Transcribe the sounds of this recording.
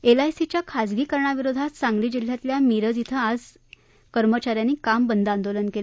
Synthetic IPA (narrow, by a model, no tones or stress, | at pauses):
elajsit͡ɕjakʰad͡zɡiːkəɾɳaʋiɾod̪ʱat̪saŋɡliːd͡ʑil̤ːjat̪ljamiɾəd͡zit̪ʰəad͡z | kəɾmət͡ɕaɾjanːiːkambənd̪ãnd̪olənkel